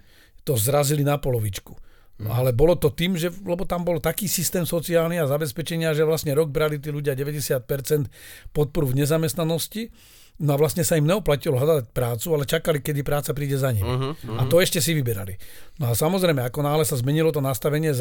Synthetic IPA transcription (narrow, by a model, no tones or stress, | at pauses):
t̪ɔzɾazilinapɔlɔʋit͡ʃku̥ | n̰alɛbɔlɔt̪ɔt̪iːmʒɛlɛbɔt̪ambɔlt̪akiːsist̪ɛːmsɔt͡siaːlniazabɛspɛt͡ʃɛɲɪaʒɛʋlasɲɛɾɔɡ̚bɾalit̪̬iːluɟɪaɟɛʋɛɟɛsɪat̪̚pɛɾt͡sɛnt̪pɔt̪̚pɔɾuvɲɛzamɛst̪nanɔsci | nɔaʋlastɲɛsaimɲɛɔplacilɔɦad̪ac̚pɾaːt͡sualɛt͡ʃakalikɛd̪ipɾaːt͡sapɾiːɟɛzaɲimiat̪ɔɛʃcɛsiʋibɛɾa̰linɔasamɔzɾɛjmɛakɔnaːlɛsazmɛɲilɔt̪ɔnast̪aʋɛɲɪɛ